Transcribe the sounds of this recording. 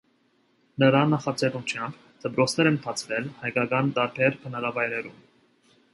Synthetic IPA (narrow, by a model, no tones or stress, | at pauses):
nəɾɑnɑχɑt͡sɛrut͡ʃʰjɑmb | d̪̥əpɾɔt͡sʰnɛɾɛnt̪ʰɑt͡sʰɾɛlhɑjkɑkɑnt̪ɑɾpʰɛɾkʰənɑɾɑvɑjɾɛɾum